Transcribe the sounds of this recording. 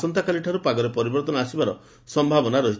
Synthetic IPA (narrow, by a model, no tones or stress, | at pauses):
sɔnt̪akaliʈʰaɾupaɡɔɾepɔɾibɔɾt̪ɔnɔasibaɾɔ̰ | sɔmbʱabɔnaɾɔɦi